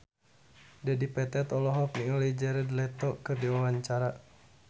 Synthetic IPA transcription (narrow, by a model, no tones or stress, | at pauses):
dɛdipɛt̪ɛt̪ɔlɔɦɔp̚niŋɔlɛd͡ʒɛɾɛdlɛt̪ɔkɨrdiwawaɲt͡ʃaɾa